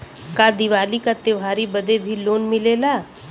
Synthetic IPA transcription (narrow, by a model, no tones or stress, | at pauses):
kaːd̪iʋaːlikat̪eːʋɦaːɾibɐd̪ebʱiloːnmɪleːlaː